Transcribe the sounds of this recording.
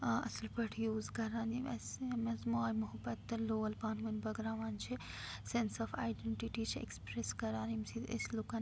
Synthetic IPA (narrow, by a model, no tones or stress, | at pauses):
ɐslpɐʈʰjuːzkɐɾaːniɐsmɐzmaːjmʊɦɐbɐt̪ːɐloːɐlbaːnmɐnbɐɡɾaːʋaːnt͡ʃʰi | sensɔːfa̰ːjɖeɳʈiʈit͡ʃʰḛkspɾeskɐɾaːnimsiḛslukɐn